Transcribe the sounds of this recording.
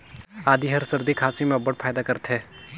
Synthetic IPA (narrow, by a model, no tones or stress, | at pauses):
aːd̪iɦɐɾsɐɾd̪ikʰaːsimɐbəʈ̚fʰaːjd̪akɐɾt̪ɦeː